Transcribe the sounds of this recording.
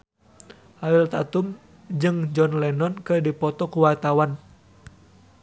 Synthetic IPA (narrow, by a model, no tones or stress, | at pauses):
ʔailt̪at̪um | d͡ʒɨŋd͡ʒɔnlɛnɔnkɨrdipɔt̪ɔkuwart̪awan